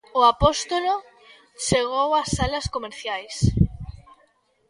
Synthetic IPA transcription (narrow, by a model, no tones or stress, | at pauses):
ʊapost̪olo | t͡ʃeɣ̞owasːalɐskomeɾθjajs